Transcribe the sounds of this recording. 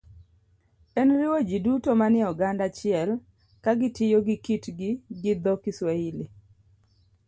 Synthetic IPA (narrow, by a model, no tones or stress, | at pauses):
ɛnɾɪwod͡ʒidutomanɪɔɡandat͡ʃɪɛl | kaɡɪtɪjoɡɪkitɡɪɡɪd̪ɔkɪswaili